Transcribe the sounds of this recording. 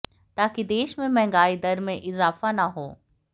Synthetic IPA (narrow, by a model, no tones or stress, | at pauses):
t̪aːkid̪eːʃmẽmɛ̃ɦŋɡaːid̪ɐɾmẽʔɪzaːfanɐɦoː